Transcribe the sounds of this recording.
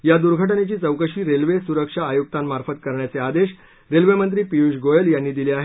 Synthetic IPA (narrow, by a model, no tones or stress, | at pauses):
jad̪uɾɡʱəʈnet͡ɕiːt͡səwkəʂiːɾelʋesuɾəkʂaːjuk̚t̪ammaɾfət̪kəɾɳjat͡sead̪eɕ | ɾelʋemənt̪ɾiːpijuɕɡojəljanːiːd̪iliaɦe